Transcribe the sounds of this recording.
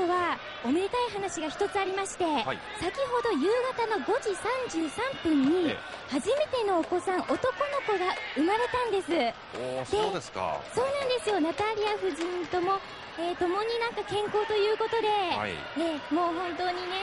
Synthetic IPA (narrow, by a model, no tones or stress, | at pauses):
oβa | ome̞ɾʲikaiɦanaɕiɡaçi̥t̪o̞t͡sɨaɾʲimaɕi̥t̪e̞ | sakʲiɦo̞d̪o̞jɯ̟ːɡat̪ano̞ɡo̞ʑisãɲ̟d͡ʑɨːsãmpɯ̟̃ɲ̟ːḭ | haʑime̞t̪e̞no̞ːko̞sãɰ̃ʔo̞t̪o̞ko̞no̞ko̞ɡaɯ̟maɾe̞t̪ãnd̪e̞sɨ | sd̪eod̪eska̰so̞ːnãnd̪e̞sɨjo̞nat̪aɾʲiaɸɯ̟ʑĩnt̪o̞mo̞ | eːt̪o̞mo̞ɲ̟inãŋkakẽ̞ŋko̞ːt̪o̞jɯ̟ːko̞t̪o̞d̪e̞̰ | emo̞ːɦõ̞nt̪o̞ːɲ̟ine̞